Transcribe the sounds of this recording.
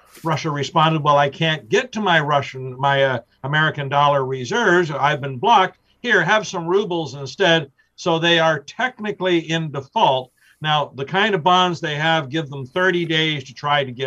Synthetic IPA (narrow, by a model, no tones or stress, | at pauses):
ɹʌʃɨɹɨspɑ̃ndɨd̚waɪlˠaɪkʰæ̃nɡ̥ɛtʰɨmaɪɹʌʃɨ̃nmaɪ | əmɛɹɨkɨ̃ndɔlˠə˞ɹɪzɜ˞vzaɪvbɨ̃nblɑk̚t̚ | hiɹɨv̥sʌ̃mɹubl̩ˠzɨ̃nstɛd̥̚ | soʊðeɪə˞tʰɛk̚nɨkliɪ̃ndəfɔlˠt̚ | naʊðɨkʰãɪ̃ndʌvbɑ̃nzðeɪɨvɡɪvðə̃mθɜ˞ɾideɪz̥tʰɨtʰɹ̥aɪɾɨɡɛ